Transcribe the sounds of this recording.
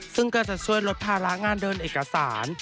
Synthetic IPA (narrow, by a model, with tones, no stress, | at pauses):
sɯ˥˩ŋkɔː˥˩t͡ɕa˨˩t͡ɕʰu˥˩əjɾo˦˥t̪̚pʰaː˧ɾa˦˥ʔŋaː˧ndɤː˧nʔeː˨˩ka˧saː˩˦n